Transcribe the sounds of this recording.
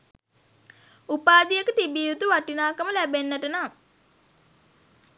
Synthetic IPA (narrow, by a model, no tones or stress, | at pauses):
upaːd̪ijekət̪ibiːut̪uʋaʈinaːkəməlæbenːəʈənaː